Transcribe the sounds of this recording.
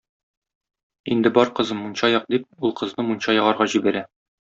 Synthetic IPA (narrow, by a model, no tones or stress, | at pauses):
ind̪ɘbɒɾqɤ̆zɤmːunɕɑjɒq̚d̪ip̚ulˠqɤ̆znɤmunɕɑjɒ̆ʁɑɾʁɑʑibæɾæ